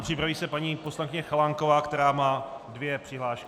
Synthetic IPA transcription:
pr̥ɪpɾaviːsɛpaɲiːpo̞slankɪɲɛxalaŋko̞vaːkt̪ɛɾaːmaːdvjɛpr̥ɪɦlaːʃk

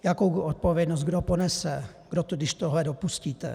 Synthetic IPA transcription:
jakowɔt̪̚povjɛd̪nɔzɡdoponɛsɛ | ɡ̥dot̪ɔdɪʃt̪oɦlɛdopusciːt̪ɛ̰

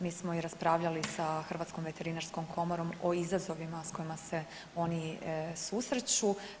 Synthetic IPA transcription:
miːsmo̞iɾaspɾaːʋʎalisaxr̩ʋat̪sko̞mʋe̞t̪e̞ɾinaɾsko̞mkʰo̞moɾo̞moizazo̞ʋimasko̞imase̞ | o̞nisusɾet͡ɕu

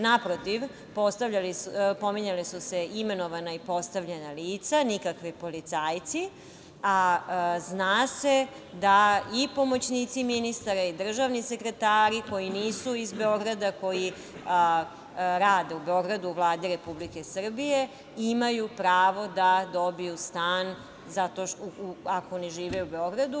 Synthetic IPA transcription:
napɾot̪iʋ | po̞st̪aʋʎalipo̞miɲalisuse̞ime̞no̞ʋanaipo̞st̪aʋʎenaliːt̪sanikakʋipo̞lit̪saːjt̪si | aznaːse̞ | d̪aipo̞mo̞t͡ɕniːt̪siminist̪aɾaid̪r̩ʒaʋnise̞kɾe̞t̪aːɾiko̞jiniːsuizbe̞o̞ɡɾad̪ako̞ji | ɾaːd̪e̞ube̞o̞ɡɾad̪uːʋlˠaːd̪iɾe̞publike̞sr̩bije̞ | imajupɾaːʋo̞d̪ad̪o̞bijust̪aːn | zat̪o̞ʃuuakoniʒiːʋeube̞o̞ɡɾad̪u

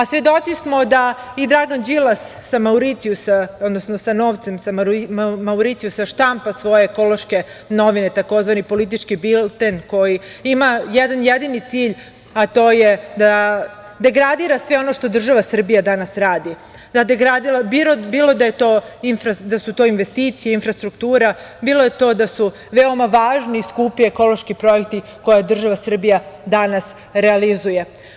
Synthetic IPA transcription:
asʋe̞d̪o̞t̪sismo̞d̪a | id̪ɾaɡand͡ʒilasːamauɾit̪sijusaod̪nosnosano̞ːʋt̪se̞msammauɾit̪ijusaʃt̪ampasʋo̞jeːko̞lˠo̞ʃke̞no̞ʋinet̪ako̞zʋanipo̞lit̪̬it͡ʃkibilt̪enko̞jiimajɛd̪anjed̪init̪siːʎ | at̪o̞ːjed̪a | d̪e̞ɡɾad̪iːɾasʋeo̞no̞ʃt̪o̞d̪r̩ʒaʋasr̩bijad̪anasɾaːd̪i | d̪ad̪eɡɾad̪ilabiɾobiːlo̞d̪ajet̪oːinfɾad̪asut̪o̞ːinʋe̞st̪iːt̪sijeinfɾast̪ɾukt̪uːɾabiːloje̞t̪o̞ːd̪asu | ʋeo̞maʋaːʒniiskupieko̞lo̞ʃkipɾo̞je̞kt̪i | ko̞jad̪r̩ʒaʋasr̩bijad̪anas | ɾealizuje̞

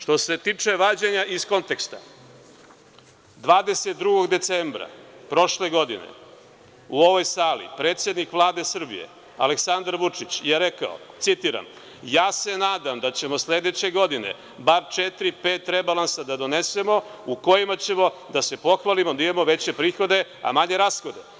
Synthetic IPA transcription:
ʃt̪o̞se̞t̪iːt͡ʂe̞ʋaːd͡ʑeɲaʔisko̞nt̪ekst̪a | d̪ʋaːd̪e̞set̪̚d̪ɾuɡo̞ɡd̪e̞t̪sembɾa̰pɾo̞ʃle̞ɡo̞d̪inḛ | uo̞ʋo̞jsaːlḭpɾeːt̪sje̞d̪nikʋlˠaːd̪e̞sr̩bḭjḛ | aleksand̪aɾʋut͡ʂit͡ɕjeɾeka̰o̰t̪sit̪iːɾa̰m | jaːse̞naːd̪amd̪at͡ɕe̞mo̞sled̪et͡ɕe̞ɡo̞d̪ine̞̰ | baɾt͡ʃet̪ɾipe̞ːt̪ɾebalˠansad̪ad̪o̞ne̞se̞mo̞uko̞jimat͡ɕe̞mo̞d̪ase̞po̞xʋalimo̞d̪aimamo̞ʋe̞t͡ɕe̞pɾiːxo̞d̪e̞a̰maɲe̞ɾasxo̞d̪e̞

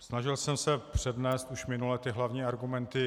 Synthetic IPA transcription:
snaʒɪlsɛmsɛpr̝̥ɛdnɛːst̪uʃmɪnulɛt̪ɪɦlavɲiːaɾɡumɛnt̪ɪ

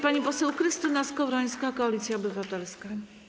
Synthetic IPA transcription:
paɲipɔsɛwkɾɘst̪ɘnaskɔvɾɔj̃skakɔalʲit̪sʲjaɔbɘvat̪ɛlska

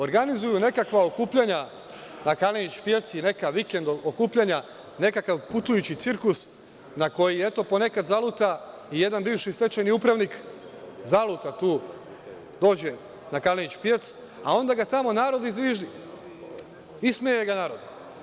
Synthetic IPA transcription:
o̞ɾɡanizujune̞kakʋaokuːpʎaɲa | nakalenit͡ʃpje̞t̪sine̞kaʋikend̪ookuːpʎaɲa | ne̞kakaʋput̪ujut͡ɕit̪siɾkus | nako̞jiet̪o̞po̞ne̞kad̪zalˠut̪a | ije̞d̪anbiːʋʃist̪e̞t͡ʃajniupɾaʋnik | zalˠut̪at̪uː | d̪o̞ːd͡ʑe̞ | nakalenit͡ʃpje̞t̪s | a̰o̞nd̪aɡat̪amo̞naːɾo̞d̪izʋiʒdi | ismejeɡanaːɾo̞d̪i

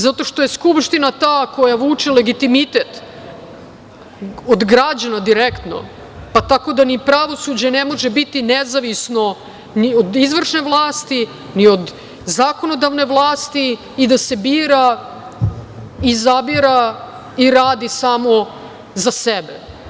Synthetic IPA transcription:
zat̪o̞ʃt̪o̞jeskupʃt̪inat̪ako̞jaʋuːt͡ʃile̞ɡit̪imit̪et̪ | od̪ɡɾad͡ʑanad̪iɾekt̪no̞̰ | pat̪ako̞d̪anipɾaʋo̞sud͡ʑenemo̞ʒebit̪inezaʋisno̞ | niod̪izʋr̩ʂne̞ʋlˠaːst̪i | niod̪ | zako̞no̞d̪aʋne̞ʋlˠaːst̪iː | d̪ase̞biːɾa | izabiɾa | iɾaːd̪isaːmo̞ | zasebḛ

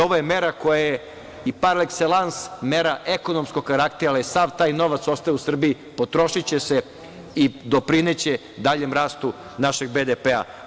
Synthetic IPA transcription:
oʋojeme̞ɾakojaje | ipaɾlekselˠansmeɾaʔeko̞nomskokaɾakt̪ialjesaʋt̪aːjno̞ʋat̪so̞st̪ajousr̩bii | po̞t̪ɾo̞ʃit͡ɕese | id̪o̞pɾinet͡ɕe | d̪aʎe̞mɾaːst̪u | naʃe̞ɡ̚bed̪epea̰

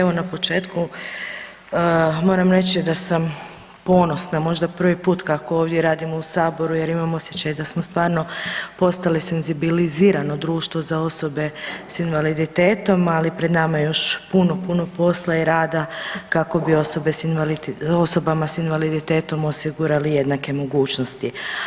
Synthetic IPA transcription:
eʋonapo̞t͡ʃe̞ːt̪ku | mo̞ːɾamɾe̞t͡ɕid̪asam | po̞ːno̞snamo̞ʒd̪apr̩ʋipuːt̪kakooːʋd̪je̞ɾaːd̪imo̞usaːbo̞ɾuje̞ɾimamo̞sjet͡ɕajd̪asmost̪ʋaːɾno̞po̞st̪alise̞nzibiliziːɾano̞d̪ɾuːʃt̪ʋo̞zao̞so̞be̞sinʋalid̪it̪e̞ːt̪o̞malipɾe̞d̪namajo̞ʃpuno̞puno̞po̞slˠaiɾaːd̪akako̞bio̞so̞be̞sinalio̞so̞bamasinʋalid̪it̪e̞ːt̪o̞mosiɡuɾalije̞d̪nake̞mo̞ɡuːt͡ʃno̞st̪i

